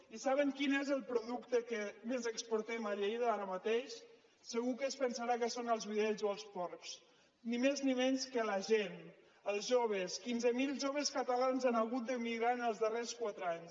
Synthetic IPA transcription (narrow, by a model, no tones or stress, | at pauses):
isaβəŋkinezəlˠpɾuðukt̪əkəmezəkspoɾt̪ɛmaʎejðəaɾəmat̪eʃ | səɣukəspənsaɾakəsonəlˠzβiðɛʎzoəlˠspɔɾks | nimeznimɛɲskələʒen | əlˠzʒoβ̞əskinzəmilˠʒoβəskat̪alanzanaɣut̪̚d̪əmiɣɾanəlˠzðəreskwat̪ɾaɲ